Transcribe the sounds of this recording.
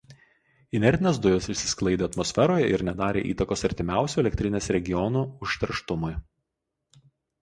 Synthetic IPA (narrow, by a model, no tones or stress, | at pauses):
ɪnʲɛɾʲd̪ʲɪnʲeːsd̪ʊjosɪʃʲsʲɪ̥sklˠɐɪd̪ʲeːɐt̪mɔsʲfʲɛɾoːjɛʔɪɾnʲɛd̪ɑːɾʲḛːʔḭːt̪ɐkoːsɐɾʲt̪ʲɪmʲæˑʊsʲuɛlʲɛkt̪ʲɾʲɪnʲeːsɾʲɛɡʲɪjɔnuːʊʃʲt̪ʲɛɾʃt̪ʊmʊɪ